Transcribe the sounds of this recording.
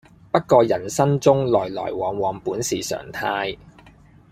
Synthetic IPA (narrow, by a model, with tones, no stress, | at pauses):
pɐ˥t̚kɔː˧jɐ˨˩nsɐ˥nt͡sʊ˥ŋlɔː˨˩jlɔ̰ː˨˩jwɔː˨˩ŋwɔː˨˩ŋpuː˨˥nsiː˨sœ̰ː˨˩ŋt̪ʰaː˧j